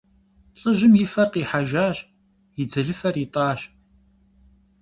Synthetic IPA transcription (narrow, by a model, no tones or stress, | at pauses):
ɬʼɨʒɪmjɪfɐrqiːħaʒaːɕ | jɪd͡zɐɮɨfɐritʼɑːɕ